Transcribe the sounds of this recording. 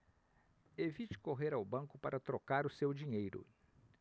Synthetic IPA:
evit͡ʃɪ̥koɦeɾawbɐ̃ŋkʊpaɾʔɐt̪ɾokaɾʊsewd͡ʒiɲejɾʊ̰

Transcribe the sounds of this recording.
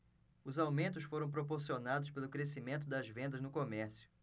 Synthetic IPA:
ʊzawmẽnt̪ʊsfoɾɐ̃w̃p̬ɾopoɾsionad̪ʊspelʊkɾesimẽnt̪̬ʊd̪ɐzvẽnd̪ɐznʊkomɛɾsjʊ̥

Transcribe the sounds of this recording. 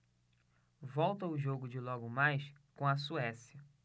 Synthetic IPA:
vɔwt̪ɐʊʒoɡʊd͡ʒɪlɔɡʊmajskõɐsuɛsjɐ

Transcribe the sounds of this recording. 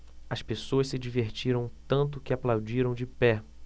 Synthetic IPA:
ɐspesoɐssɪd͡ʒiveɾt͡ʃiɾɐ̃w̃t̪ɐ̃nt̪̬ʊkɪaplawd͡ʒiɾɐ̃w̃d͡ʒɪpɛ

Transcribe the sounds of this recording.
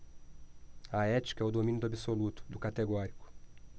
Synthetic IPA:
ɐɛt͡ʃi̥kɐɛʊd̪omĩnʊd̪ʊabisolut̪ʊ̥d̪ʊkat̪eɡɔɾikʊ̥

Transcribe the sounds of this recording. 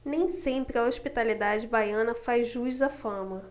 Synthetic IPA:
nẽj̃sẽmpɾɪɐoʃpit̪alid̪ad͡ʒɪbajɐ̃nɐfajzʒuzzɐfɐ̃mɐ

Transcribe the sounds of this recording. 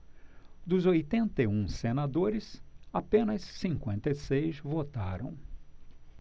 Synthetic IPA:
d̪ʊzojt̪ẽnt̪ɐũsenad̪oɾɪsapẽnɐsːĩŋkwẽnt̪ɐisejzvot̪a̰ɾɐ̰̃w̃

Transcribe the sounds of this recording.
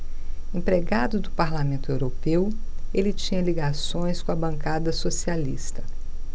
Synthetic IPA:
ẽpɾeɡad̪ʊd̪ʊpaɾlamẽnt̪ʊewɾopew | elɪt͡ʃĩɲɐliɡasõj̃skõɐbɐ̃ŋkad̪ɐsosialḭst̪ɐ̥

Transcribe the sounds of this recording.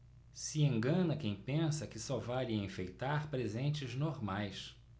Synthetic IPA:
siẽŋɡɐ̃nɐkẽj̃pẽsɐkɪsɔvaliɐẽfejt̪aɾpɾezẽnt͡ʃɪznoɾmajs

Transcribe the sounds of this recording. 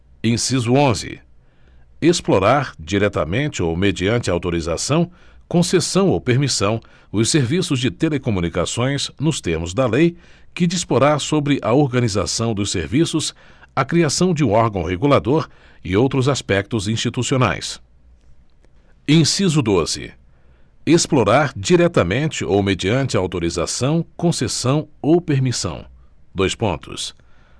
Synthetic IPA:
ẽsizʊõzɪ̰ | esploɾaɾd͡ʒiɾɛt̪ɐ̰mẽnt͡ʃɪowmed͡ʒiɐ̃nt͡ʃɪawt̪oɾiza̰sɐ̃w̃kõsesɐ̃w̃owpeɾmisɐ̃w̃ | ʊsːeɾvisʊzd͡ʒɪt̪elekomũnikasõj̃snʊst̪eɾmʊzd̪ɐlejkɪd͡ʒispoɾasobɾɪʔɐoɾɡɐniza̰sɐ̃w̃d̪ʊseɾvisʊs | ɐkɾiasɐ̃w̃d͡ʒɪũɔɾɡɐ̃w̃ɦeɡulad̪oɾ | ɪowt̪ɾʊzaspɛk̚t̪ʊzĩst͡ʃit̪usiona̰js | ẽj̃sizʊd̪ozɪ̰ | esploɾaɾd͡ʒiɾɛt̪ɐmẽnt͡ʃɪowmed͡ʒiɐ̃nt͡ʃɪɐawt̪oɾiza̰sɐ̃w̃kõsesɐ̃w̃owpeɾmisɐ̰̃w̃ | d̪ojspõ̰nt̪ʊ̰s

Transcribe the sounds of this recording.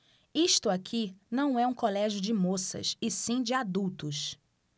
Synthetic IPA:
iʃt̪ʊakʰinɐ̃w̃ɛũkolɛʒjʊd͡ʒɪmosɐ̰sɪsĩd͡ʒɪad̪uwt̪ʊs

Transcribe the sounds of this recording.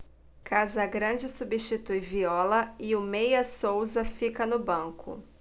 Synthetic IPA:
kʰazɐɐɡɾɐ̃d͡ʒɪsubist͡ʃit̪ujviɔlɐɪʊmejɐsowzɐfikɐnʊbɐ̃ŋkʊ̰

